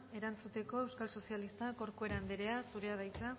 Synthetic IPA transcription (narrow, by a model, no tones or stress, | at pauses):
e̞ɾant͡sut̪e̞ko̞e̞wskalso̞sialist̪ako̞ɾkue̞ɾand̪eɾe̞asuɾe̞að̞ajt͡sa